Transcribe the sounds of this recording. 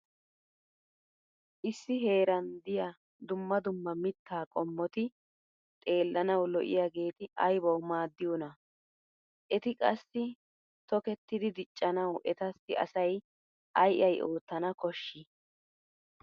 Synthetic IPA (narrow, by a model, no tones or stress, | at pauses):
ʔɪsːɪɦe̞ːɾɐnd̪ɪjɐ | d̪ʊmːɐd̪ʊmːɐmɪt̪ːaːkʼɔmːɔt̪ɪ | t̪ʼe̞ːlːɐnɐwlɔʔɪ̰jaːɡe̞ːt̪ɪɐjbɐwmaːd̪ːɪjonɐ | ʔɛt̪ɪkʼɐsːɪ | t̪ɔkɛt̪ːɪd̪ɪd̪ɪt͡ʃʼːɐnɐwʔɛt̪ɐsːɪʔɐ̰sɐj | ʔɐjʔɐjʔo̞ːt̪ːɐnɐkɔʃːɪ